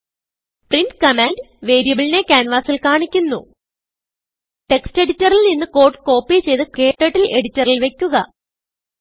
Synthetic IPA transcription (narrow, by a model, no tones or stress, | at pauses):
prinskɐmaːndʋe̞ːɾijɐbiɭine̞kʲaːnʋaːsilkaːɳikʲːunːṵ | ʈe̞kste̞ɽitːɐrilninːɨko̞ːʈːɨ̥ko̞ːpːit͡ɕe̞jðɨke̞ːʈːeʈːile̞ɽitːɐrilʋe̞kʲːuɣɐ̰